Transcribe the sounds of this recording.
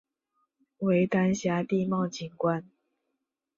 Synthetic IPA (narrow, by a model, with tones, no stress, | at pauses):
we˨˧˦ɪt̪a˦nɕja˦t̪i˥˧˨mɑ˥˨t͡ɕi˨˩ŋkwa˦n